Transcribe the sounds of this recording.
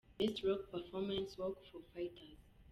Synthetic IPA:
ðɪsɹɔk̚pəfɔmãnswɔkfɔfaɪtʰəz̥

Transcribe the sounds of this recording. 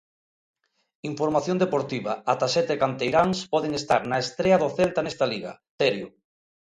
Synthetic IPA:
iɱfoɾmaθjond̪epoɾt̪iβaat̪asɛt̪ekant̪ejɾaŋspɔðeŋest̪aɾnaest̪ɾeaðoθelt̪anɛst̪aliɣa̰θeɾjo

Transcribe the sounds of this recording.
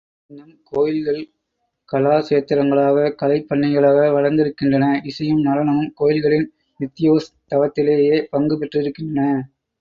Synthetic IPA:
ɪnd̪ɐmkoːjɪlɣɐɭ | kɐlaːseːt̪ːɪɾɐŋɡɐɭaːɣɐkɐlɐɪpːɐɳːɐɪɣɐɭaːɣɐʋɐɻɐɾnd̪ɪɾɯkːɪndrɐnɐɪsɐjɯmnɐlɐnɐmɯmkoːjɪlɣɐɭɪn | ʋɪt̪ːɪjoːst̪ɐʋɐt̪ːɪleːjeːpɐŋɡɯpɛʈrɯɪɾɯkːɪndrɐnɐ

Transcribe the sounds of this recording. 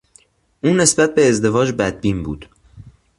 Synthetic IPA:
ʔuːne̞sbæt̪̚be̞ːzd̪e̞vɒːd͡ʒbæd̪̚biːnbuːd̪̥

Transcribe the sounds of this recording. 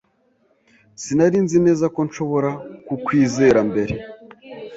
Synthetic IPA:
sinaɾinzine̞ːzako̞nʃo̞βo̞ɾakukwiːze̞ɾambe̞ɾe̞

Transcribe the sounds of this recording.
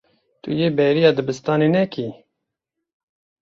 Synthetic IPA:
t̪ṵjeːbɛjɾijɑːd̪ɨbɨst̪ɑːneːnɛkʰi

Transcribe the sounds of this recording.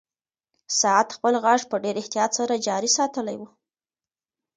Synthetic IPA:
sɑat̪xpəlɣɑʐpəɖeɾɪht̪ijɑt̪saɾad͡ʒɑɾisɑt̪əlajwu

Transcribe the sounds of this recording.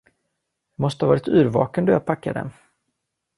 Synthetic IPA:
jɑmɔst̪əhavɑːɾɪt̪ʉ̟ːɾvɑ̰ːkənd̪ɵjaːpʰakːad̪ɛ̰n

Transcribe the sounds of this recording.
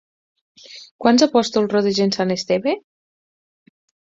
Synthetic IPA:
kwanzapɔst̪olˠroðeʒensanest̪eβe

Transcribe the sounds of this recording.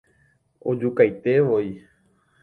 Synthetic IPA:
od͡ʒukajt̪e̞ʋoi

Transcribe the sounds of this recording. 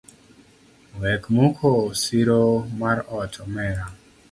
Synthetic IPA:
wɛkmukʰosiɾomaɾɔtʰɔmɛɾa

